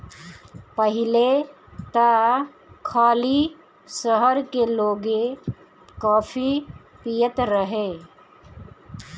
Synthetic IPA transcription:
pəɦɪle | t̪a | kʰaːli | səɦəɾkeloːɡe | kaːpʰi | pijət̪ɾəɦe

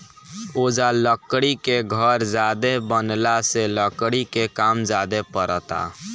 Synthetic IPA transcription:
od͡ʒaləkɽikeɡʱəɾd͡ʒad̪ebənlaseləkɽikekamd͡ʒad̪epəɾət̪a̰

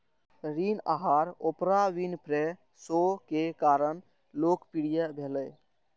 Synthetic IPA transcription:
ɾinaɦaɾopɾaʋinpʰɾe | sokekaɾəɳ | lokpiɽijəbʱeləj

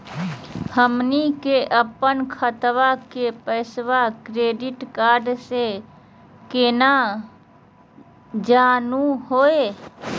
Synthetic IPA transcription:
həmnikeʔəpənkʰət̪wakepəɪswakɾeːɖɪʈkaːɾɖse | keːna | d͡ʒaːnuɦoːeː

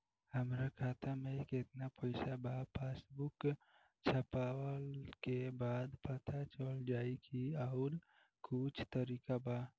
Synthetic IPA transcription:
həmɾakʰat̪ʰameket̪napəɪsabapʰesbuk | t͡ʃʰəpawəlkebad̪pət̪ʰat͡ʃəld͡ʒaikiəʊɾ | kut͡ʃʰt̪əɾikaba

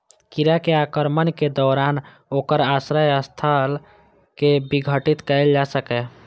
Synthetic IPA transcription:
kiɾakeakəɾmənked̪ɔːɾaːn | oːkəɾaːsɾəjəst̪ʰəl | kebiɡʱəʈit̪kəɪld͡ʒasəkɛ

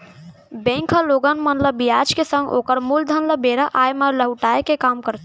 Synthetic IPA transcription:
bẽŋkʰəloɡənmənləbijad͡ʒkesə̃ŋɡo̰kəɾmuld̪ʱənləbeɾəʔajmələɦuʈaekekamkəɾt̪ʰ

